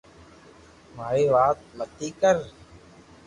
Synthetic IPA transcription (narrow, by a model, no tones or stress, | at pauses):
maːiːʋaːt̪̚mət̪iːkəɾ